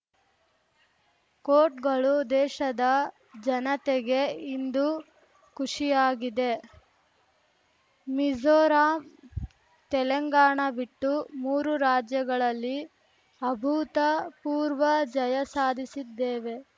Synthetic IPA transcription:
koːɾʈɡɐɭud̪ɛːʃɐd̪ɐ | d͡ʒɐnɐt̪eɡe̞ind̪u | kuʂijaːɡid̪e̞ | mid͡ʒoːɾaːm | t̪ɛlɐŋɡaːɳɐbiʈːumuːɾuɾaːd͡ʒjɐɡɐɭɐlːi | ɐbʱut̪ɐpuːɾʋɐd͡ʒɐjɐsaːd̪ʱisid̪ːeːʋe̞

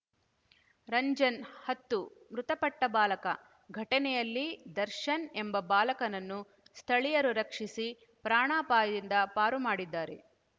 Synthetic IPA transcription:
ɾɐɲd͡ʒɐnhɐt̪ːumɾut̪ɐpɐʈːɐbaːlɐkɐ | ɡʱɐʈɐnɛjɐlːid̪ɐɾʃɐnembɐbaːlɐkɐnɐnːu | st̪ʰɐɭijɐɾuɾɐkʂisi | pɾaːɳaːpaːjɐd̪ind̪ɐpaːɾumaːɽid̪ːaːɾḛ

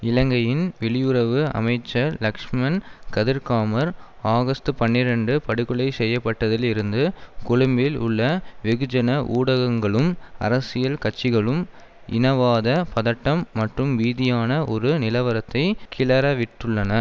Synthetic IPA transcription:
ɪlɐŋɡɐjɪnʋɛɭɪjʊɾɐʋɯɐ̰mɐɪt͡ʃːɐɾlɐkʂmɐnkɐðɪɾkaːmɐɾ | aːɣɐst̪ɯpɐnːɪɾɐɳɖɯpɐɽɯkɯɭɐɪsɛjːɐpːɐʈːɐðɪlɪɾɯnd̪ɯkʊɻʊmbɪlʊ̰ɭːɐʋɪɣɯd͡ʒɐnɐʔuːɽɐɣɐŋɡɐɭɯmɐ̰ɾɐsɪjɐlkɐt͡ʃːɪɣɐɭɯm | ɪ̰nɐʋaːðɐpɐðɐʈːɐmːɐʈrɯmʋiːðɪjaːnɐʔɔɾɯnɪlɐʋɐɾɐt̪ːɐɪkʰɪlɐɾɐʋɪʈːɯɭːɐnɐ

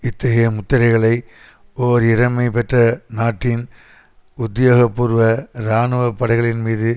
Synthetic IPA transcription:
ɪt̪ːɐɣɐjɐmʊt̪ːɐɾɐɪɣɐɭɐɪ | oːɾɪɾɐmɐɪpɛʈrɐnaːʈːɪn | ʊd̪joːɣɐpːuɾɯʋɐɾaːnɯʋɐpːɐɽɐɪɣɐɭɪnmiːðɯ

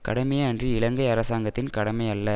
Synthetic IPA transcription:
kɐɽɐmɐjɐɐndriɪɭɐŋɡɐɪɐɾɐsaːŋɡɐt̪ːɪnkɐɽɐmɐɪjɐlːɐ

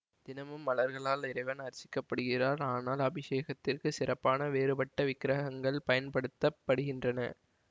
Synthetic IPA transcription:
d̪̥ɪnɐmɯmːɐlɐɾɣɐɭaːlɪɾɐɪʋɐnɐɾɐsɪ̥kːɐpːɐɽɯɣɪraːɾaːnaːlɐbɪʂeːɣɐt̪ːɪrkɯsɪrɐpːaːnɐʋeːɾɯpɐʈːɐʋɪkːɪɾɐɦɦɐŋɡɐɭpɐjɐnpɐɽɯt̪ːɐpːɐɽɯɣɪndrɐnɐ̰

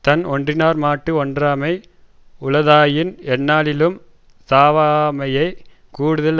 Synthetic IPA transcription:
t̪ɐnɔndrɪnaːɾmaːʈːɯɔndraːmɐɪ | ʊlɐðaːjɪnɛnːaːlɪlɯm | saːʋaːmɐjɐɪ | kuːɽɯðɐl

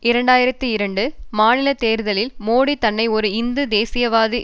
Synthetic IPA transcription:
ɪɾɐɳɖaːjɪɾɐt̪ːɯɪɾɐɳɖɯmaːnɪlɐt̪ːeːɾɯðɐlɪlmoːɽit̪ːɐnːɐɪɔɾɯɪnd̪ɯd̪eːsɪjɐʋaːðɯ

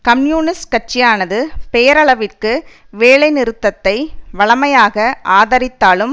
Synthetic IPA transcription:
kɐmjuːnɪskɐʈ̚t͡ʃːɪjaːnɐðɯpɛjɐɾɐɭɐʋɪrkɯ | ʋeːɭɐɪnɪɾɯt̪ːɐt̪ːɐɪʋɐɭɐmɐjaːɣɐʔaːðɐɾɪt̪ːaːɭɯm

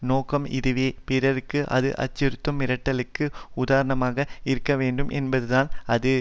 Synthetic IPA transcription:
noːkɐmɪ̰ðɯʋeːpɪɾɐɾɯkːɯʔɐ̰ðɯ̰ʔɐ̰t͡ʃːɪɾɯt̪ːɯmɪɾɐʈːɐlɯkːɯʊðaːɾɐɳɐmaːɣɐɪɾɯkːɐʋeːɳɖɯmʔɛ̰nbɐðɯðaːnɐðɯ

